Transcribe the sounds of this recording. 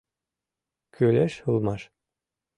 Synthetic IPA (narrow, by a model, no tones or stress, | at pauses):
kʰølæʃhɤ̆lˠmɑʃ